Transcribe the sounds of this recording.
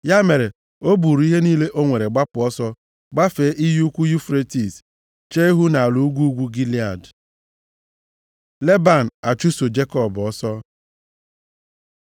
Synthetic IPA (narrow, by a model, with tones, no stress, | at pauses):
ja˦me˨ɾe˨ | o˦bu˨ɾi˦ɦe˦niː˦le˦ʔo˦ŋʷe˨ɾe˨ɡ͡ba˦pʊ˨ɔ˦sɔ˦ | ɡ͡ba˦fe˨˦ʔi˦ju˦kʷu˦ju˦fɾe˦ti˨s | t͡ʃe˦ɦu˦na˨a˨lu˨u˦ɡʷu˦ɡʷu˦ɡi˦li˦a˨d | le˦ba˨n̩˨a˨t͡ʃu˦so˨d͡ʒe˦kɔ˦˨bɔ˦sɔ˦